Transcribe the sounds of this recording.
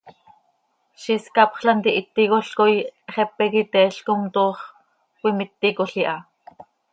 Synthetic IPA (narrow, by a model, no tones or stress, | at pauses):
ʃiskɑpχɬant̪iʔit̪ːikoɬkojχɛpɛkit̪ɛɬkomt̪oːχ | kwimit̪ːikoɬiʔɑ